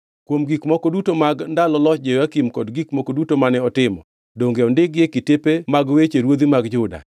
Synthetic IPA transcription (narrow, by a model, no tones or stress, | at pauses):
kwomɡikmɔkɔdutomaɡndalɔlɔt͡ʃd͡ʒewakimkɔdɡikmɔkodutomanɛɔtɪmɔ | doŋɡeɔndɪɡɪekɪtepemaɡwet͡ʃeɾwod̪imaɡd͡ʒʊda̰